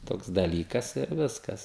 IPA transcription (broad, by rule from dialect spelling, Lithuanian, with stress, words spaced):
ˈtoːks dɐˈlʲiːkɐs ɪr ˈʋʲɪskɐs